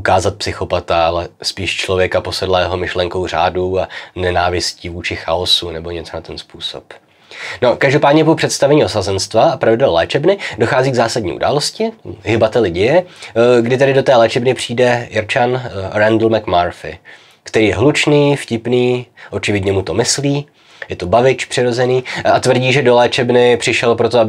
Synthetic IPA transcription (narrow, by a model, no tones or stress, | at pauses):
ukaːzat̪̚psɪxo̞pat̪aalɛspiːʃt͡ʃlo̞vjɛkapo̞sɛdlɛːɛɦo̞mɪʃlɛŋko̞wr̝a̰ːduanɛnaːvɪscivuːt͡ʃɪxaosunɛbo̞ɲɛt͡sonat̪ɛnspuːso̞̰p | no̞kaʒdo̞paːdɲɛpopr̥ɛt̪st̪avɛɲiːʔo̞sazɛnst̪vaapɾavɪdɛllɛ̰ːt͡ʃɛbnɪdoxaːziːɡzaːsadɲḭːṵda̰ːlo̞scɪɦɪbat̪ɛlɪɟɛjɛɡdɪt̪ɛdɪdo̞t̪ɛːlɛːt͡ʃɛbnɪpr̝̥iːdɛjɪɾt͡ʃanɾɛndl̩mɛkmaɾfɪ̰ | kt̪ɛɾiːjɛɦlut͡ʃniːfcɪpniːʔo̞t͡ʃɪvɪɟɲɛmut̪o̞mɪsliː | jɛt̪obavɪt͡ʃpr̥ɪɾo̞zɛniːat̪vrɟiːʒɛdo̞lɛːt͡ʃɛbnɪpr̝̥ɪʃɛlpɾo̞t̪oab